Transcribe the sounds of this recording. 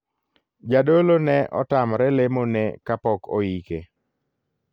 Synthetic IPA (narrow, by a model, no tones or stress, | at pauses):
d͡ʒadolonɛʔɔ̰tamɾɛlemonɛkapɔko̰ike